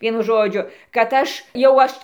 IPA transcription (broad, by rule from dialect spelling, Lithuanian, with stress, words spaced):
ˈʋʲiɛnʊ ˈʒoːd͡ʒʲʊ kɐt ˈɐʃ jɛʊ ˈɐʃ